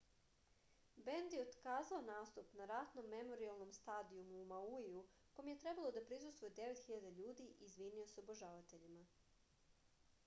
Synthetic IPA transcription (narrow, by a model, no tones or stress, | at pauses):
be̞nd̪jeod̪kaːzaonaːst̪upnaɾat̪no̞mːe̞mo̞ɾialˠno̞mst̪aːd̪iumuːmauiu | kojmje̞t̪ɾe̞balˠo̞d̪apɾis̬ust̪ʋojed̪e̞ʋe̞t̪xiʎad̪aʎuːd̪iʔizʋinio̞seoboʒaʋat̪e̞ʎima